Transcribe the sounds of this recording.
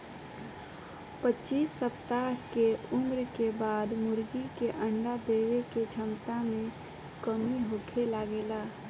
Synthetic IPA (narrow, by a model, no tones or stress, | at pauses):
pətːt͡ʃiːsːəpt̪aɦkeʊmɾkebaːd̪mʊɾɡikeʔəɳɖad̪eːweket͡ʃʰəmt̪amẽ | kəmiɦoːkʰelaːɡeːlaː